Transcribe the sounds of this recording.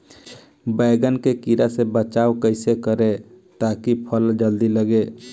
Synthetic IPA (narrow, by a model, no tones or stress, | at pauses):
bəɪɡənkekiɾasebət͡ʃaːokəɪsekəɾe | t̪akipʰəld͡ʒəld̪iləɡe